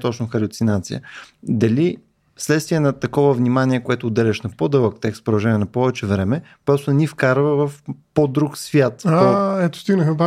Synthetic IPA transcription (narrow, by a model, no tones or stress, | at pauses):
t̪ɔt͡ʃnʊxɐɾʊt̪sinat̪sḭjə̰d̪ɐli | slɛt̪st̪viɛnɐt̪ɐkɔvəvnimaniɛkoɛt̪ʊːd̪ɛlʲɛʃnɐpod̪ɤlˠəkt̪ɛkspɾod̪ɐʒɛnʲiɛnɐpɔvɛt͡ʃɛvɾɛmɛpɾɔsʊnɐnifkaɾvəvɐfpod̪ɾuksvʲjat̪aɛt̪o̥st̪iɡnəxba